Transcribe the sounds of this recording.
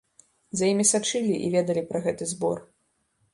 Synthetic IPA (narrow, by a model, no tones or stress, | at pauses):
zajimʲisat͡ʂɨlʲiʔḭvʲɛd̪ɐlʲipɾɐɣɛt̪ɨzbɔ̰r